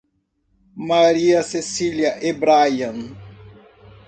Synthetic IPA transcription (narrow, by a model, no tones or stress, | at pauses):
maɾiɐsesiljɐʔebɾajɐ̃n